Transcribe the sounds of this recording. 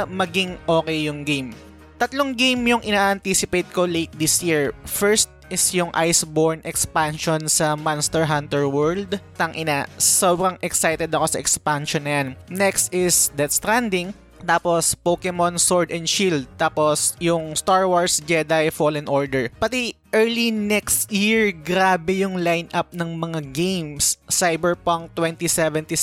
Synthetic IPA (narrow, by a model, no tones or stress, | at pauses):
mɐɡiŋʔo̞ːkɛjːʊŋɡejm | t̪ɐt̪loŋɡejmjʊŋʔɪnaːʔɐnt̪isɪpejt̪̚kolejt̪̚d̪ɪsjiɹfɛɹst̪̚ʔɪsjʊŋʔajsboɹnɛkspanʃonsɐmanst̪ɛɹɦant̪ɛɹwɛɹld̪t̪ɐŋʔɪnasoːbɾɐŋʔɛksajt̪ɛd̪ɐko̞sɐʔɛkspanʃɔnːɐjannɛkst̪ɪsd̪ɐt̪st̪ɾand̪ɪŋ | t̪aːpospokɛmonsoɹd̪ɛnʃild̪̚t̪aːposjʊŋst̪aɹwoɹsd͡ʒɛd̪ajfolɪnʔoɹd̪ɛɹpɐt̪iʔɛɹlinɛkst̪jiɹɡɾaːbɛjʊŋlajnʔap̚nɐŋmɐŋaɡejmsːajbɛɹpoŋt̪wɛnt̪isɛvɛ̃nt̪i